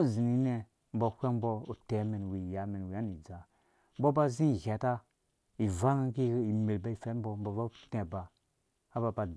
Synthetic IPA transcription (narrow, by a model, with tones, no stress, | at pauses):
zi˨ni˦ne˨ | m̩bo˨˦kʷe˦m˦bo˦u˨te˨˦me˨n˨wi˨ja˨˦me˨n˨wi˨a˦ni˨d͡za˨ | m̩˦bo˦ba˦zi˦˨ɣe˨ta˦ | i˨va˦ŋa˦ki˦i˨me˨lba˦i˨fe˦m˦bo˦m˦bo˨ba˦te˨ba˨ | a˦ba˨ba˨